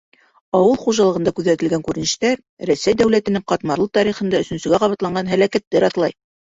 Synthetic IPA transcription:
ɑwɤlˠχuʒɑlˠɤ̆ʁɤ̆nd̪ɑkʉðæt̪ɘ̆lɡæŋkʉɾɘ̆nɘ̆ʃt̪æɾ | ɾæsæjd̪æwlæt̪ɘ̆nɘqɑt̪mɑɾlˠɤt̪ɑɾiχɤ̆nd̪ɑɵ̆sɵ̆nsɵ̆ɡæqɑβɑt̪lˠɑɴɢɑnɦælækæt̪ːɘɾɑθlˠɑj

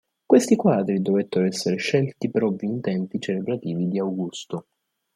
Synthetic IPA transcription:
kwest̪ikwaːd̪ɾid̪ovet̪ːeɾoɛsːeɾeʃɛlt̪ipeɾɔvːiːnt̪ɛmp̪it͡ʃelebɾat̪iːvid̪iawɡust̪o

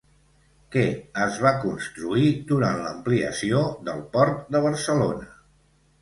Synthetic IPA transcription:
kɛəzβakunst̪ɾuid̪uɾanləmpliə̰sioðəlˠpɔɾt̪̚d̪əβ̞əɾsəlonə

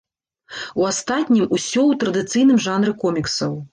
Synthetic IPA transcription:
uast̪at̪ʲnʲimusʲɔwt̪ɾɐd̪ɨt̪sɨjnɨmʐanɾɨkɔmʲiksɐw

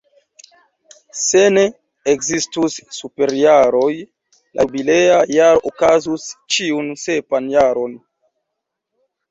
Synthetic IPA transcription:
seneː | kzistusːupe̞ɾjaɾo̞j | lʔa̰bileajaokazust͡ʃiunse̞panjaɾo̞n

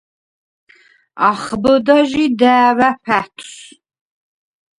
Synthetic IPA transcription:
aχbəd̪aʒid̪æːvæɸʰæt̪ʰs

